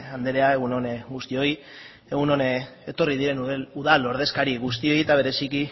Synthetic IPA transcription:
and̪eɾeae̞ɣ̞uno̞nɡust̪io̞j | e̞ɣuno̞net̪o̞rið̞iɾe̞nuðalo̞ɾð̞e̞skaɾiɣust̪io̞jet̪aβe̞ɾe̞siki

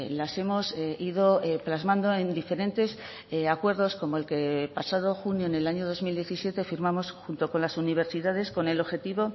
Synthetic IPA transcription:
lase̞mo̞siðo̞eplazmãnd̪o̞e̞nd̪ife̞ɾe̞nt̪e̞s | akwe̞ɾðo̞sko̞mo̞elke̞pasað̞o̞xunjoene̞laɲo̞ð̞o̞zmild̪je̞θisje̞t̪e̞fiɾmamo̞sxunt̪o̞ko̞nlasuniβ̞e̞ɾsiðað̞e̞sko̞ne̞lo̞βxe̞t̪iβo̞

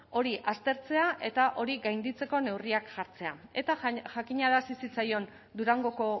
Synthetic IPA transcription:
o̞ɾiʔast̪e̞ɾt͡se̞aʔe̞t̪aʔo̞ɾiɣajnd̪it͡se̞ko̞ne̞wriakʝaɾt͡se̞ae̞t̪aʝakiɲaðasisit͡sajo̞n | d̪uɾaŋɡo̞ko̞

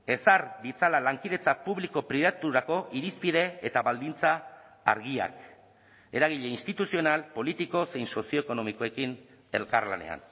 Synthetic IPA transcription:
e̞saɾd̪it͡salalaŋkiðe̞t͡sapuβliko̞pɾiðat̪uɾako̞ʔiɾispiðe̞et̪aβald̪int͡sa̰ː | ɾɣia̰k | e̞ɾaɣ̞iʎe̞inst̪it̪usio̞nalpo̞lit̪iko̞se̞jnso̞sio̞eko̞no̞miko̞e̞kin | e̞lkaɾla̰ne̞̰a̰n

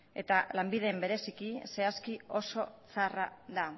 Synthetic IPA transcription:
e̞t̪alambiðe̞mbe̞ɾe̞sikise̞askio̞so̞t͡sara̰ða

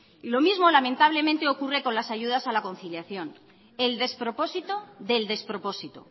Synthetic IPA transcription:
ilo̞mizmo̞lamẽnt̪aβ̞le̞mẽnt̪e̞o̞kure̞ko̞nlasaʝuð̞asalako̞nθiljaθjo̞n | e̞ld̪e̞spɾo̞po̞sit̪o̞ðeld̪e̞spɾo̞po̞sit̪o̰

